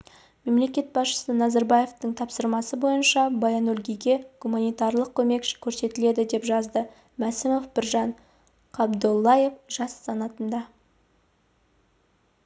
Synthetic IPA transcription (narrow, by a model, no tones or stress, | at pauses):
me̞mle̞kʲe̞t̪̚bɑsʃə̥sənɑzɑɾbɑje̞ft̪əɴt̪ʰɑpsəɾmɑsəbo̞jənʃɑbɑjanɵlʲɡʲijɡʲe̞ɡ̥umanijt̪ɑɾlˠəq̚kʲʰɵme̞kʃkʲʰɵɾse̞t̪ɪle̞d̪ɪd̪e̞pʒɑzd̪ə | mæsɪmofbɪɾʒɑɴ | qʰɑbd̪olˠːɑje̞fʒ̥ɑsːɑnɑt̪ənd̪ɑ